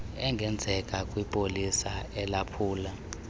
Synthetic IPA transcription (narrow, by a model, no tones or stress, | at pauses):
ɛŋɡʱɛnd͡zʱɛkʼakʼwipʼolisaɛlapʰuːla